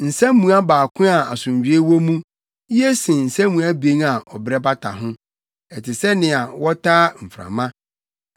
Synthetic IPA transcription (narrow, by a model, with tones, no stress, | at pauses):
n̩˨sɛ̃˦m˦mũ˦a˦baː˨kʰʷʊ̃˦a˨a˨sʊ̃˨ɲɥᶣi˨e˦wɔ˦mũ˦ | i˦ɛ˦sɪ̃˨n̩˨sɛ̃˦mũ˨a˦be˨˦ŋa˨ɔ˨bɾɛ˦ba˦tʰa̰˨ɦʊ̃˦ | ɛ˨tʰɪ˨sɛ˦nɪ̃˨a˨wɔ˦tʰaː˦m̩˨fɾã̰˨mã˦